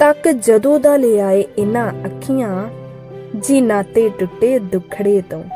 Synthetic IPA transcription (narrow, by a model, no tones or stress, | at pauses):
t̪ɐkd͡ʒɐd̪õːd̪aːleːaːeɪnãɐkʰːɪjã | d͡ʒinãːt̪eʈʊʈːed̪ʊkʰɽeːt̪õ